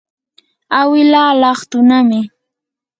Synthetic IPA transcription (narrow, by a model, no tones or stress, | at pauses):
awɪlaːlɑχt̪ʊnamɪ